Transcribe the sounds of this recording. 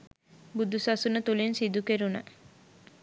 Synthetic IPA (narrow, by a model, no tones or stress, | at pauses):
bud̪usɐsunət̪ulinsid̪ukeɾunə